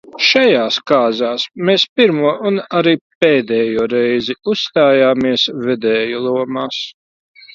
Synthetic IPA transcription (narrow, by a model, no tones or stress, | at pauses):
ʃajaːskaːzaːsmeːspiɾmuɔʔunaɾiːpeːd̪ɛːjuɔɾɛjziusːt̪aːjaːmiɛsvɛd̪ɛːjulˠuɔmaːs